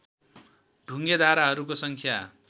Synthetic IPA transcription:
ɖʱuŋɡed̪ʱaɾaɦʌɾukosʌŋkʰja

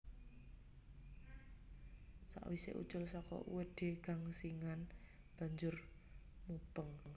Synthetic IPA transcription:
sa̰ʔwisḛʔṵ̥t͡ʃʊlsɔkɔ̰ṵwed̪̥e̤ɡ̥a̤ŋsiŋan | b̥ä̤ɲd͡ʒʊrmub̥əŋ

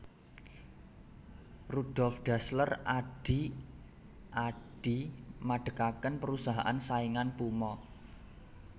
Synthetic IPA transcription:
rud̥ɔlfɖ̥a̤sləraɖ̥i | ʔaɖ̥imaɖ̥ə̤kakənpəɾusaɦaʔansaiŋanpumɔ

